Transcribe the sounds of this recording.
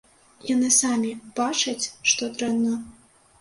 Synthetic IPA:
janɨsamʲib̥at͡ʂɐt͡sʲʂt̪ɔt̪ɾɛnɐ

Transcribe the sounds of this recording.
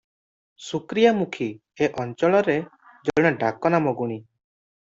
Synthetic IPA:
sukɾijamukʰi | eʔɔnt͡ʃɔɭɔɾe | d͡ʒɔjɽ̃ɔɖakɔnamɔɡuɽ̃i

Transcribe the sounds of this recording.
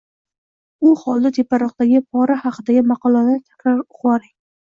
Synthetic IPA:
ʊhɒlˠd̪at̪ʰepːaɾɒq̚t̪aɡʲɪpʰɒɾahɑqʰɨd̪aɡʲɪmɑqɒlˠanɪt̪ʰakʲɾaɾʊqwɒɾɪŋ

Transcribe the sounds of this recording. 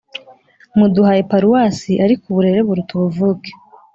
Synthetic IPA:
muduhajepaɾuwaːsiʔaɾikuβuɾe̞ɾe̞βuɾutuβuvuːke̥

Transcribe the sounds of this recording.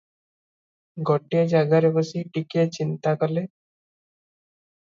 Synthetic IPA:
ɡɔʈijad͡ʒaɡaɾebɔsiʈiket͡ʃint̪akɔle

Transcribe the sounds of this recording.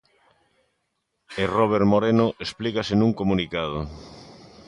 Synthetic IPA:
eroβ̞eɾmoɾenoʔesplikasenuŋkomunikað̞o

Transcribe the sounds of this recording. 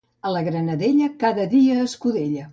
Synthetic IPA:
ələɣɾənəðeʎəkaðəðiəːskuðeʎə

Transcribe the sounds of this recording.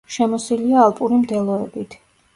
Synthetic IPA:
ʃɛmɔsiliaːlˠpʼuɾimd̪ɛlˠɔɛbit̪ʰ

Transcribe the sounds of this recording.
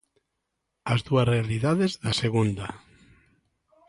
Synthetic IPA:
azðuasrealiðaðezðaseɣ̞und̪a

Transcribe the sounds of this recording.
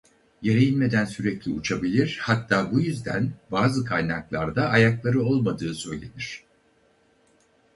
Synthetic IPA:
jeɾejinme̞d̪ænsyɾɛclʲiut͡ʃʰabilʲiɾ̥hat̪ʰːaːbujyzd̪æ̰nbaːzɯkʰajnaklˠaɾd̪aːjaklˠaɾɯo̞lˠmad̪ɯːsø̞jlʲḛd̪iɾ̝̥

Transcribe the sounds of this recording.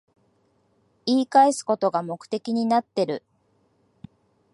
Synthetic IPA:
iːkaesɨ̥ko̞t̪o̞ɡamo̞kɯ̟̥t̪e̞kʲiɲ̟inat̪ːe̞ɾɯ̟

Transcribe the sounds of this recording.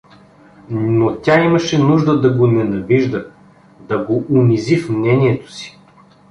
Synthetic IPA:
notʲaiməʃɛnuʒd̪əd̪ɐɡonɛnɐviʒd̪ə | d̪ɐɡoʔʊmizifmnɛniɛt̪o̥si̥

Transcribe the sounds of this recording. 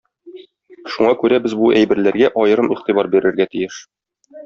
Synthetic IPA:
ʃuɴɑkʉɾæbɘzbuʔæjbɘ̆ɾlæɾɡæʔɒjɤ̆ɾɤmiχt̪ibɑɾbiɾɘ̆ɾɡæt̪ijɘʃ

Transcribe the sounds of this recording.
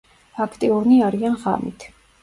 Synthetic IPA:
akʰt̪ʼɛuɾniaɾianʁa̰mḭt̪ʰ

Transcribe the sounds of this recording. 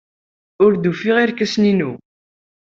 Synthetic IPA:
ʊɾd̪ufiʁiɾkæsninṵ

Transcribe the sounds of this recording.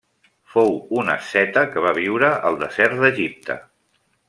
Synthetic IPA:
fowunə̰sɛt̪əkəβ̞aβ̞iwɾəʔəlˠd̪əzɛrt̪̚d̪əʒip̚t̪ʰə̰

